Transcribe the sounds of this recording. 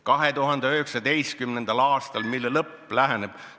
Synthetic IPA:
kɑɦe̞t̪uɦɑnd̪eøɦeksɑd̪e̞jst̪̚kymnend̪̥ɑlɑːst̪ɑlmilːelɤpːˑlæɦæneb̥

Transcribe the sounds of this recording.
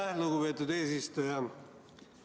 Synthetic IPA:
luɡupe̞ːt̪ːˑud̪eːsist̪ujɑ

